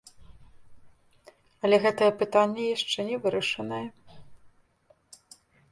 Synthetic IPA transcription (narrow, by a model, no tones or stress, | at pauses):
ɐlʲɛɣɛt̪ɐjɛpɨt̪anʲːɛjaʂt͡ʂɛnʲɛvɨɾɐʂɐnɐjɛ